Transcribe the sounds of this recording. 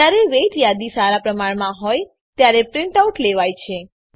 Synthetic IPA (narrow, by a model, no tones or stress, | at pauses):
aɾeʋeʈjad̪isaɾapɾəmaɳmãɦoj | t̪jaɾepɾɪɳʈauʈleʋajt͡ʃʰe